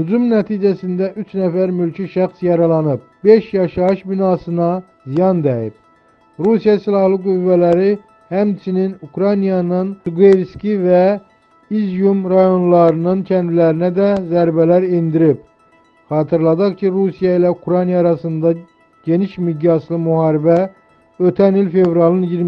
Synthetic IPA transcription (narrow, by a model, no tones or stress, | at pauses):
hyd͡ʒumnæt̪ʰiːd͡ʒæsind̪æʔyt͡ʃʰnæfæɾmylcʰiʃæχsjɑɾɑlˠɑnɯp̚b̥eʃjɑʃɑɯʃbinɑsɯnɑ | zijɑnd̪æjip̚ | ɾusijɑsilˠɑhlˠɯɡuvːælæɾi | hæmt͡ʃʰininukɾɑnijɑnɯnt̪uɡevskʲivæ | izjumɾɑjo̞nlˠɑɾɯnɯncʰænd̪ilæɾinæd̪ɛzæɾbælæɾind̪iɾip | χɑːt̪ʰɯɾlˠɑd̪ɑχcʰiɾusijɑilɛukɾɑnijɑːɾɑsɯnd̪ɑ | ɟ̥e̞niʃmiɟɑslˠɯmuhɑːɾibæ | øt̪ʰænilfevɾɑlˠɯnjiɾ